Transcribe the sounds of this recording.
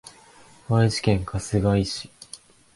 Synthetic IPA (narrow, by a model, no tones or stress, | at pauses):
βaiʑi̥kẽ̞ŋkʰasɨɡaiɕi̥